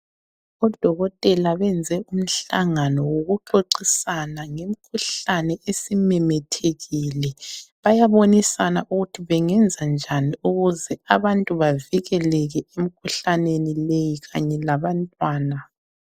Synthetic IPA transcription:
ɔd̥ʱɔɣɔtʼɛlaβɛnd͡zʱɛʔum̩ɬaŋanɔwoɣuǃoǀisanaŋem̩kʰuɬanɛʔesimɛmɛtʰeɣilɛβajaβonisanaʔuɣutʰiβɛŋɛnd͡zʱand͡ʒʱaniuɣuzɛaβantʼuβaviɣɛlɛɣɛem̩kʰuɬanenilejiɣaɲɛlaβantʼwaːna

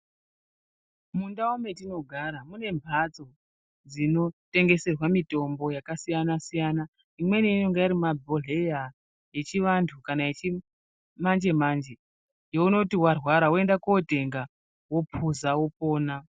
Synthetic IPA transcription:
mundaume̞tino̞ɡʱaɾamune̞mbʱat͡so̞ | d͡zino̞te̞ŋɡe̞se̞rwamito̞mbo̞jakasijanasijana | imwe̞niinoŋɡeiɾimabʱo̞le̞ja | je̞t͡ʃiʋantʰukanaet͡ʃi | mand͡ʒe̞mand͡ʒe̞ | jouno̞tiwarwaɾawoe̞ndakote̞ŋɡa | wo̞pʰuzawo̞po̞ːna

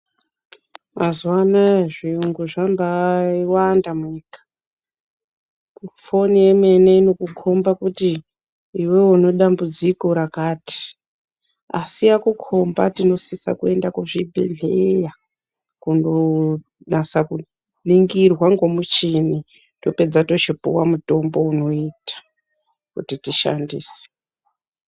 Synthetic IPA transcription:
mazwanaʐiuŋɡuʐambaiwandamiːkḁ | fonije̞me̞neino̞kukʰo̞mbakutiː | we̞uno̞ɗambud͡ziko̞ɾakaːti̥ | asijakukʰo̞mbatino̞sisa̰kue̞ndakuʐibʱḛɮeja | kundo | nasaku | niŋɡirwaŋɡo̞mut͡ʃini | to̞pe̞d͡zato̞t͡ʃipṵwamuto̞mbo̞uno̞itḁ | kutitiʃa̰ndiːse̥

